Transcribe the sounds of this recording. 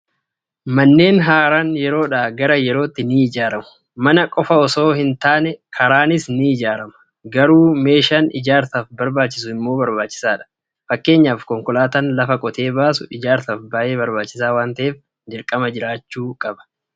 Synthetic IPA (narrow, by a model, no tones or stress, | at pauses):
mɐnːe̞ːnɦaːɾanjɛɾo̞ːᶑaːɡɐɾɐjɛɾo̞ːt̪ːɪniːɪd͡ʒaːɾɐmʊ̥ | mɐnɐkʼɔfɐɔso̞ːhɪnt̪aːnɛkʰɐɾaːnɪsniːɪd͡ʒaːɾɐmɐ̥ | ɡɐɾuːme̞ːʃaːnɪd͡ʒaːɾt̪ɐfbɐɾbaːt͡ʃːɪsʊɪmːo̞ːbɐɾbaːt͡ʃːɪ̥saːᶑɐ̥ | fɐkːe̞ːɲːaːfkɔŋkɔlaːt̪ɐnlɐfɐkʼɔt̪e̞ːbaːsʊʔɪd͡ʒaːɾt̪ɐfbaːʔe̞ːbɐɾbaːt͡ʃːɪsaːwaːnt̪ɐʔe̞ːf | d͡ʒɪɾkʼɐmɐd͡ʒɪɾaːt͡ʃːuːkʼɐbɐ̥